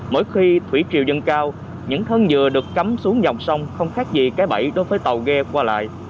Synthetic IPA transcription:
mo̰˧˦jxi˧t̪ʰwḭ˧˩˥t͡ɕi˧˨wzə˧nkaː˧w | ɲɨ̰˧˥ŋt̪ʰə˧nzɨ˨˩əɗɨ˨˩əkːa˨˦msu˨˦əŋza˨˩wŋ͡msa˧wŋ͡mxə˧wŋ͡mxaː˦˥k̚zi˨˩kaː˨˦jɓə˧˩jɗo˨˦jvəː˨˦jt̪ə˨˩wɣɛ˧kwaː˧la̰ː˧˨jʔ

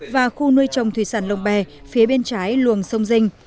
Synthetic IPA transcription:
vaː˨˩xu˧nɨ˧əjt͡ɕə˨˩wŋ͡mt̪ʰwi˧˩saː˧˩nlə˨˩wŋ͡mɓɛ˨˩fi˨˦ɓe˧nt͡ɕaː˨˦jlu˨əŋsə˧wŋ͡mzï˧ŋ̟

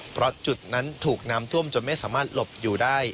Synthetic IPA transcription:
pʰɾɔ˦˥t͡ɕu˨˩t̪̚na˦˥nt̪ʰuː˨˩k̚naː˦˥mt̪ʰu˥˩əmt͡ɕo˨˧˩nma˥˩jsaː˩˦maː˥˩t̪̚lo˨˩p̚juː˨˩daː˥˩j

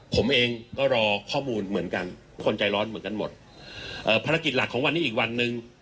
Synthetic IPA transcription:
pʰo˩˦mʔeː˧ŋkɔː˥˩ɾɔː˧kʰɔː˥˩muː˧nmɯ˩˦ənka˧n | kʰo˧nt͡ɕa˧jɾɔː˦˥nmɯ˩˦ənka˧nmo̰˨˩t̪̚ | ʔɤː˨˩pʰaː˧ɾa˧ki˨˩la˨˩kʰːɔː˩˦ŋwa˧nːiː˦˥ʔiː˨˩k̚wa˧nːɯ˧ŋ

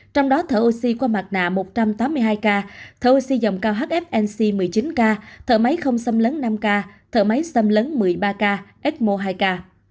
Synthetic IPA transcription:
t͡ɕɔ˧wŋ͡mɗɔ˨˦t̪ʰəː˧˩ʔo˧si˧kwaː˧ma˨˩t̚na̰ː˧˨mo˨˩t̚t͡ɕa˧mt̪aː˨˦mːɨ˧əjɦaː˧jkaː˧t̪ʰəː˧˩ʔo˧si˧zə̰˧˨wŋ͡mkaː˧wɦaː˦˥k̚ʔɛ˦˥p̚ʔɛ˧nsi˧mɨ˨˩əjt͡ɕi˨˦nkaː˧t̪ʰə̰ː˧˩ma˨˦jxə˧wŋ͡msə˧mləː˨˦nːa˧mkaː˧t̪ʰəː˧˩ma˨˦jsə˧mləː˨˦nmɨ˨˩əjɓaː˧kaː˧ʔɛ˦˥t̚mo˧ɦaː˧jkaː˧

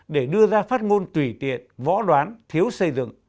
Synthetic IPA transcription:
ɗe˧˩ɗɨ˧əzaː˧faː˦˥t̚ŋo˧nt̪wi˧˩t̪ḭ˧˨ənvɔ̰˧˥ɗwaː˨˦nt̪ʰi˨˦əwsə˧jzɨ̰˧˨ŋ

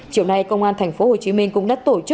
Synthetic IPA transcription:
t͡ɕi˧˩˨wna˧jkə˧wŋ͡mʔaː˧nt̪ʰɛ˨˩ŋ̟fo˨˦ho˨˩t͡ɕi˨˦mï˧ŋ̟kʊ̰˧˥ŋ͡mɗa̰ː˧˥t̪o˧˩t͡ɕɨ˦˥

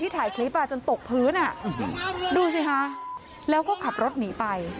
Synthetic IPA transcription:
t̪ʰiː˥˩t̪ʰaː˨˩˦jkʰeː˦˥paː˧˩t͡ɕo˧nt̪o˨˩k̚pʰɯː˦˥nʔa˨˩ | duː˧s̬i˧˩kʰa˦˥ʔ | lɛː˦˥wkɔː˥˩kʰa˨˩p̚ɾo˦˥t̪̚niː˩˦pa˧j

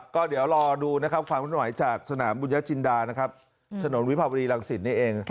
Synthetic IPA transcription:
kɔː˥˩di˩˦əwɾɔː˧duː˧na˦˥kʰa˦˥p̚kʰwaː˧mkʰːwa˩˦jt͡ɕaː˨˩k̚sa˧naː˩˦mbuː˧nja˦˥t͡ɕʰi˧ndaː˧na˦˥kʰa˦˥p̚ | t̪ʰa˧no˨˩˦nwi˦˥pʰaː˧wa˧niː˧la˧ŋsi˨˩t̪̚niː˥˩ʔeː˧ŋ

